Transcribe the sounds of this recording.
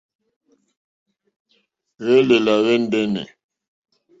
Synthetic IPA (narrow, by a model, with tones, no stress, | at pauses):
ɣɛ˦le˨la˨ɣɛ˦n̩˦dɛ˦nɛ̰˨